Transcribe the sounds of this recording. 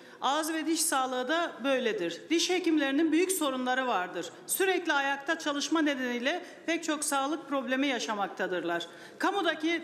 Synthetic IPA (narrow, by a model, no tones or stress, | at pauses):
azvɛd̪iʃsaːlˠɯɯd̪abø̞jlʲed̪iɾd̪̥iʃhecimlʲe̞ɾininbyjycso̞ɾunlˠaɾɯvaɾd̪ɯɾ̥ | syɾɛclʲiajak̚t̪ʰat͡ʃʰalˠɯʃmane̞d̪enijlʲɛ | pʰɛc̚t͡ʃʰo̞ksaːlˠɯk̚pʰɾo̞blʲe̞mijaʃamak̚t̪ʰad̪ɯɾlˠaɾ̥ | kʰamud̪aci